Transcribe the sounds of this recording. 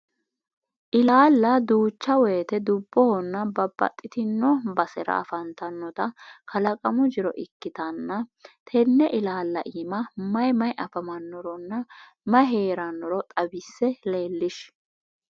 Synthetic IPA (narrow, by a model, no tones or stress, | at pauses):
ʔɪlaːlːɐd̪uːt͡ʃːɐweːt̪ɛd̪ʊbːɔhɔnːɐbɐbːɐ̰t̪ʼːɪt̪ɪnːɔbɐsɛɾɐ̰ɐ̰fɐnt̪ɐnːɔt̪ɐkʰɐlɐkʼɐmʊd͡ʒɪɾɔ̰ʔɪkːɪt̪ɐnːɐt̪ʰɛnːɛʔɪlaːlːɐ̰ʔimɐmɐjmɐjʔɐfɐmɐnːɔɾɔnːɐ | mɐjɦe̞ːɾɐnːɔɾɔt̪ʼɐbɪsːɛle̞ːlːɪʃ